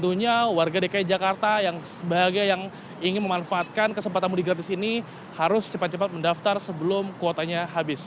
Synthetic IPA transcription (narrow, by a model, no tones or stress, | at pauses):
t̪uɲawarɡadekajt̪̚d͡ʒakart̪ajaŋsəbaɦɡajjaŋ | iŋɪnməmanfaːt̪̚kankəsəmpat̪anmudiɡɾat̪̬ɪsini | haɾʊst͡ʃəpat̪̚t͡ʃəpat̪̚məndaft̪arsəbəlʊmkot̪aɲaɦabɪs